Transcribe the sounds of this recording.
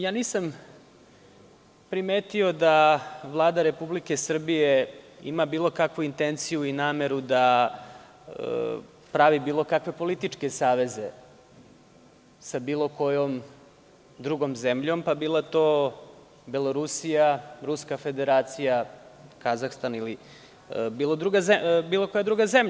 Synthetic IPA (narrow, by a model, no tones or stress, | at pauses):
jaːniːsam | pɾimeːt̪io̞d̪aʋlˠaːd̪aɾe̞publikesr̩bijeḭmabiːlˠo̞kakʋuint̪ent̪sijuinaːme̞ɾud̪a | pɾaʋibiːlˠo̞kakʋe̞po̞lit̪it͡ʂke̞saːʋe̞ze̞ | sabiːlˠo̞ko̞jom | d̪ɾuɡo̞mzemʎo̞mpabiːlˠat̪oː | beloɾusijaɾuskafe̞d̪e̞ɾaːt̪sijakazaxst̪anili | biːlˠod̪ɾuɡazebiːlˠo̞kojad̪ɾuɡazemʎa